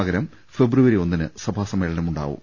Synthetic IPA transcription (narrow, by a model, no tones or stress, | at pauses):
ɐɡɐɾɐm | fe̞bruʋɐɾio̞nːinɨsɐbʱaːsɐmeːɭɐnɐmuɳɖa̰ːʋṵm